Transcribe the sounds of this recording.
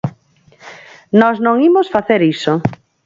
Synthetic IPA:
nɔznõŋimosfaθeɾiso

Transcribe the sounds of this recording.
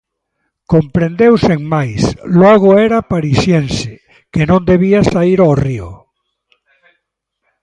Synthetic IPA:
kompɾend̪ewseŋmajslɔɣoɛɾapaɾisjense | kenõnd̪eβ̞iasaiɾoriʊ̰

